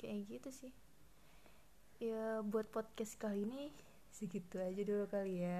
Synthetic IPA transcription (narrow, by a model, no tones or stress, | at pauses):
kaʔad͡ʒit̪usɪh | jəbuat̪̚pɔd̪̚kɛskalini | səɡit̪uad͡ʒadulukalia